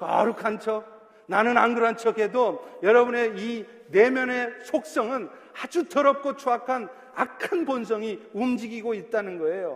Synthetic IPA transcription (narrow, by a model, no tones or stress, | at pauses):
kʌ̰ɾukʰant͡ɕʰʌ | nanɯnanɡɯɾant͡ɕʰʌɡe̞dojʌɾʌbɯne̞i | ne̞mjʌne̞sʰok̚s͈ʌŋɯn | ad͡ʑutʌɾʌp̚k͈ot͡ɕʰoakʰan | akʰɯnpons̬ʰʌŋiumd͡ʑiɡiɡoit̚t͈anɯnɡʌe̞jo